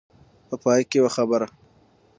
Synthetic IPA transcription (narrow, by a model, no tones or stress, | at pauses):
pəpɑːjkewaxabəɾa